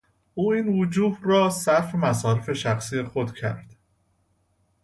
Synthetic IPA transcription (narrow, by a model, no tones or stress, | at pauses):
ʔuːiːnvod͡ʒuːhrɒːsæɾfemæsɒːɾefe̞ʃæxsiːje̞xod̪cʰæ̰ɾd̪̥